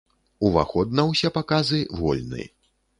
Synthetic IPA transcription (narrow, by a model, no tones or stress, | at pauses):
uva̰xɔd̪̚nɐwsʲɛpakazɨvɔ̰lʲnɨ̰